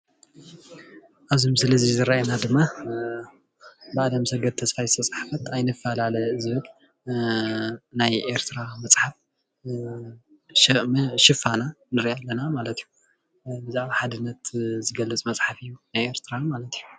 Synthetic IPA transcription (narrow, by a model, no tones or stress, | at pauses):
ʔaβzimsɨlɐzizɨɾajenad̪ɨmːa | bɨad̪ɐmsɐɡɐd̪t̪ʰɐsfajɨst̪ʰɐt͡sʼħḁfɐt̪ajnɨfːalalɐjzɨβɨl | najʔe̞ɾt̪ʰɨɾamɐt͡sʼħaf | ʃɐʔmʃɪfananɨɾialːɐnamalɐt̪iju | bɨzaʕβaħad̪ɨnːɐt̪zɨɡɐlːɨt͡sʼmɐt͡sʼħafɨjːunajeɾt̪ʰɨɾamalɐt̪iju